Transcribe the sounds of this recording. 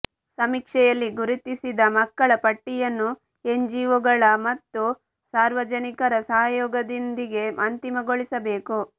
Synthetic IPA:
sɐmikʂɛjɐlːiɡuɾut̪isid̪ɐmɐkːɐɭɐpɐʈːijɐnːu | e̞ɲd͡ʒiːʋuɡɐɭɐmɐt̪ːu | saːɾʋɐd͡ʒɐnikɐɾɐsɐɦɐjɔːɡɐd̪ind̪iɡe̞mʔɐnt̪imɐɡoɭisɐbe̞ːku

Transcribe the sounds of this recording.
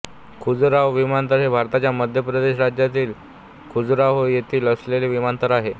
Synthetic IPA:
kʰud͡zɾaʋʋimant̪əɾɦebʱaɾt̪at͡ɕjaməd̪ʱjəpɾəd̪eɕɾad͡ʑjat̪iːl | kʰud͡zɾaʋojet̪ʰiːləsleleʋimant̪əɾaɦe

